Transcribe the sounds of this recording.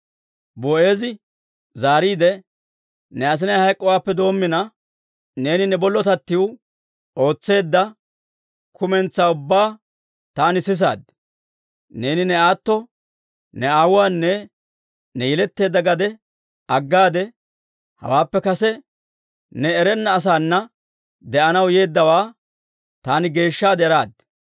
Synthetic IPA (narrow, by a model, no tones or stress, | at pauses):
boe̞ːzɪ | zaːɾiːd̪ɛ | nɛɐs̬ɪnɐjhɐjkʼːɔwaːpːɛd̪o̞ːmːɪnɐ | ne̞ːnɪnɛbɔlːɔt̪ɐt̪ːɪwʊ | o̞ːt͡sːe̞ːd̪ːɐ | kʰʊmɛnt͡sːaːʊbːaː | t̪aːnɪsɪs̬a̰ːd̪ | ne̞ːnɪnɛaːt̪ːɔ | nɛaːwʊwaːnːɛ | nɛjɛlɛt̪ːe̞ːd̪ːɐɡɐd̪ɛ | ɐɡːaːd̪ɛ | hɐ̰waːpːɛkɐsɛ | nɛːɾɛnːɐːs̬aːnːɐ | d̪ɛʔɐnɐwje̞ːd̪ːɐwaː | t̪aːnɪɡe̞ːʃːaːd̪ɛɾaːd̪̚